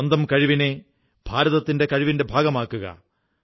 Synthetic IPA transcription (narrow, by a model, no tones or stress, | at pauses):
ɐnd̪ɐmkɐɻiʋine̞ | b̥ʱaːɾɐðɐt̪ːinde̞kɐɻiʋinde̞bʱaːɡɐmaːkːuɣɐ̰